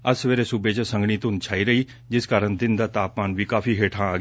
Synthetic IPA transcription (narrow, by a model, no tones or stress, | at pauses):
əsʋeːɾeːsubeːt͡ʃəsə̃ŋɡɽiːt̪ʊnd̪t͡ʃʰaːiːɾəiː | d͡ʒɪskaːɾəɳd̪ɪnd̪aːt̪aːpmaːnʋiːkaːfʰiːɦeːʈʰãːaːɡ